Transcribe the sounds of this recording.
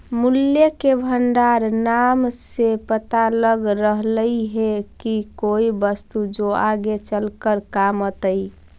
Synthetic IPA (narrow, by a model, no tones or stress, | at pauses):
muljəkebʱəɳɖaɾnamsepət̪aləɡɾəɦləiɦekikoibəst̪ud͡ʒoaɡet͡ʃəlkəɾkamət̪əi